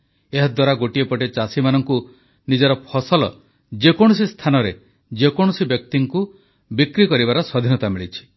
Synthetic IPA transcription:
eɦɔd̪waɾaɡoʈiepɔʈet͡ʃasimanɔŋku | nid͡ʒɔɾɔpʰɔsɔlɔ̰ | d͡ʒekɔɽ̃usist̪ʰanɔɾe | d͡ʒekɔɽ̃usibjɔk̚t̪iŋku | bikɾikɔɾibaɾɔswɔd̪ʱinɔt̪amiɭit͡ʃʰi̥

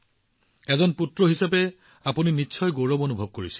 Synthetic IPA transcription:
ɛzɔnputɹɔɦisapɛ | apuninitːsʰɔjɡowɹɔbonubʱɔb̚koɹisi̥l

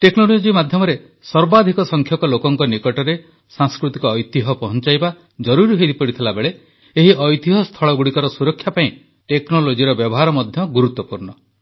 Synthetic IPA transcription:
ʈeknolod͡ʒimad̪ʱjɔmɔɾe | sɔɾbad̪ʱikɔsɔŋkʰjɔkɔlokɔŋkɔnikɔʈɔɾe | saŋskɾut̪ikɔːjt̪iɦɔpɔɦɔnt͡ʃajba | d͡ʒɔɾuɾiɦed̪ipɔɽit̪ʰelabeɭe | eɦiʔɔjt̪iɦɔst̪ʰɔɭɔɡuɽikɔɾɔsuɾɔkʰːjapaĩ | ʈeknolod͡ʒiɾɔbjɔbɔɦaɾɔmɔd̪ʱjɔɡuɾut̪ːɔpuɾɳɔ

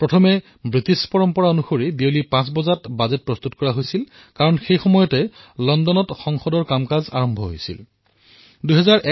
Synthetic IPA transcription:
pɹɔtʰɔmɛ | bɹitispɔɹɔmpɔɹaonuxoɹibiolipãsbɔzatbazɛt̚pɹɔst̪utkɔɹaɦojsil | kaɹɔnxejxɔmɔjɔtɛ | lɔndɔnɔtxɔŋxɔdɔɹkamkaza̰ɹɔmbʱɔɦojsḭl | duɦɛzaɹʔɛ

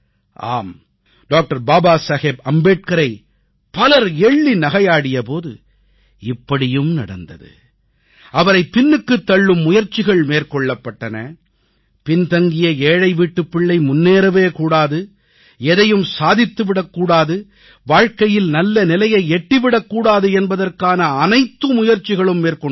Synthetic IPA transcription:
ʔa̰ːm | ɖoːk̚ʈɐɾbaːbaːsɐɣeːbɐmbeːʈ̚kɐɾɐɪ | pɐlɐɾɛɭːinɐɣɐjaːɽɪjɐpoːðɯ̰ | ɪpːɐɽɪjɯmnɐɽɐnd̪ɐ̰ðɯ̰ | ʔɐʋɐɾɐɪpɪnːɯkːɯt̪ːɐɭːɯmːʊjɐɾt͡ʃːɪɣɐɭmeːɾkɔɭːɐpːɐʈːɐnɐ̰ | pɪnt̪ɐŋɡɪjɐeːɻɐɪʋiːʈːɯpːɪɭːɐɪmʊnːeːɾɐʋeːkuːɽaːðɯ | ɛðɐjɯmsaːðɪt̪ːɯʋɪɽɐkːuːɽaːðɯ | ʋaːɻkɐjɪlnɐlːɐnɪlɐjɐɪɛʈːɪʋɪɽɐkːuːɽaːðɯɛnbɐðɐrkaːnɐːnɐɪt̪ːɯmʊjɐɾt͡ʃːɪɣɐɭɯmːeːɾkɔ

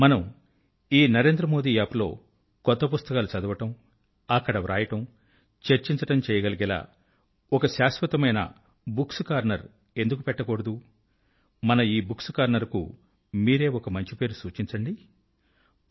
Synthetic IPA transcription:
mɐnɐm | iːnɐɾe̞ːnd̪ɾɐmo̞ːd̪iːjaːplo̞̰ː | kɔt̪ːɐpust̪ɐkaːlut͡ʃɐd̪ɐʋɐʈɐm | ɐkːɐɽɐʋɾa̰ːjɐʈɐm | t͡ʃeɾt͡ʃiɲt͡ʃɐʈɐmt͡ʃɛːjɐɡɐlɐɡɛla̰ː | ɔkɐʃaːsʋɐt̪ɐmɐjnɐ̰ | buksukaːɾnɐɾ | e̞nd̪uk̬upɛʈːɐkoɽɐd̪u | mɐnɐiːbuksu̥kaːɾnɐɾkṵ | miːɾe̞ːɔkɐmɐɲt͡ʃipe̞ːɾusuːt͡ʃiɲt͡ʃɐɳɖi

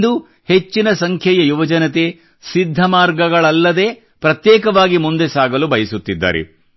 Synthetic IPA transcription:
d̪u | he̞t͡ʃːinɐsɐŋkʰjɐjɐjuʋɐd͡ʒɐnɐt̪̬e̞ | sid̪ʱːɐmaːɾɡɐɡɐɭɐlːɐd̪e̞ː | pɾɐt̪jɛːkɐʋaːɡimund̪esaːɡɐlubɐjɐsut̪ːid̪ːa̰ːɾḛ

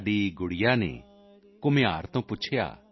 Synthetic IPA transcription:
ɖiɡʊɽijanḛ̃ | kʊmẽaːɾt̪õpʊt͡ʃʰja̰ː

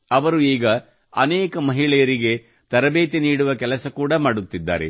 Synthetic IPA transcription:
ɐʋɐɾuiːɡɐ | ɐnɛːkɐmɐɦiɭɛjɐɾiɡe̞ | t̪ɐɾɐbeːt̪eniːɽuʋɐkɛlɐsɐkuːɽɐmaːɽut̪ːid̪ːa̰ːɾe̞̰

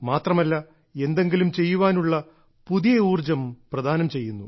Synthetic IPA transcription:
maːt̪rɐmɐlːɐ | e̞nd̪e̞ŋɡilumt͡ɕe̞jːuʋaːnuɭːɐ | puðijɐuːrd͡ʑɐmprɐd̪ʱaːnɐmt͡ɕe̞jːunːu

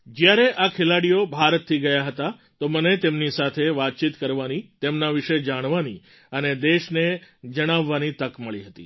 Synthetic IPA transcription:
d͡ʒjaɾeʔakʰelaɽijobʱaɾət̪ʰːiɡəjaɦət̪a | t̪omənet̪emnisat̪ʰeʋat̪̚t͡ʃit̪kəɾʋanit̪emnaʋiʃed͡ʒaɽ̃ʋani | əned̪eʃned͡ʒəɽ̃aʋːanit̪əkməɭiɦət̪ḭ

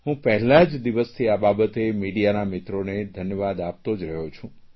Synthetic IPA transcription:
ɦũpəɦɛlad͡ʒd̪iʋəst̪ʰiababət̪emiɽijanamɪt̪ɾoned̪ʱənjəʋad̪ap̚t̪od͡ʒɾəɦot͡ʃʰũ

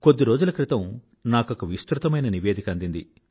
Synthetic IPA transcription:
kod̪ːiɾo̞ːd͡ʒulɐkɾit̪ɐm | naːkokɐʋist̪ɾut̪ɐmɐjnɐniʋeːd̪ʱikɐnd̪ind̪i

